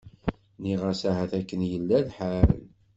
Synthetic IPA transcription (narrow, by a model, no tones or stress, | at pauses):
niʁasæhæθækːənjəlːælħaɾə̰l